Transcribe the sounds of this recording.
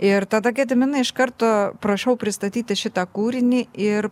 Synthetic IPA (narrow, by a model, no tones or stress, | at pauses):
ɪɾt̪ɐd̪ɐɡʲɛd̪ʲɪmʲɪnɐɪʃkɐɾt̪oːpɾɐʃʲɛʊpʲɾʲɪst̪ɐt̪ʲiːt̪ʲɪʃʲɪt̪ɐkuːɾʲɪnʲiːʔɪɾ